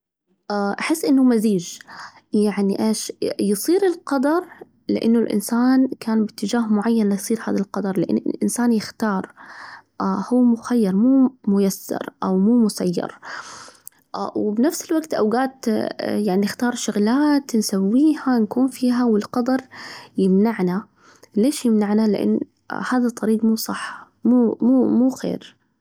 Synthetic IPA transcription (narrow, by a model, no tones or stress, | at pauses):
ʔaʔaħɪsːʔɪnːʊmaziːd͡ʒ | jaʕniʔeːʃjɨsˤiːɾɪlqɑd̪ɑɾˤ | lɪ̰ʔɪ̰nːʊlʔɪ̰nsaːnkaːnbɪt̪ːɪd͡ʒaːhmʊʕajːanlajsˤiːɾha̰ːðalqɑd̪ˤɑɾˤlɪʔɪ̰nːɪ̰lʔɪnsaːnjɪxt̪ɑːɾˤʔahuːmʊxajːɑɾˤmuːmʊjasːɑ̰ɾˤʔa̰wmuːmʊsa̰jːɑ̰ɾˤ | wbnafsɪlwaɡt̪ʔa̰wɡaːt̪jaʕninɪxt̪ɑːɾˤʃʊɣlaːt̪nsawːiːhankuːnfiːɦawɪlqɑd̪ɑɾˤjɪmnaʕna | leːʃjɪmnaʕnalɪ̰ʔɪ̰nː | haːðat̪ˤːɑɾiːɡmuːsˤɑħː | muːmuːmuːxḛːɾ